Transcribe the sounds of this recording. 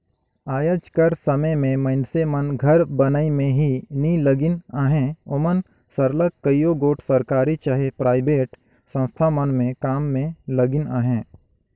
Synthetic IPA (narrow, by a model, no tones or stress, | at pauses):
aːjəd͡ʒkəɾsəməjmẽməɪnsemənɡʱɐɾbənəimẽɦiniləɡɪnaːɦẽʊmən | səɾləkkəjoɡoːʈʰsəɾkaːɾit͡ʃaɦepɾaːɪbeːʈ | sə̃nst̪ʰamənmẽkaːmːẽləɡɪnaːɦẽː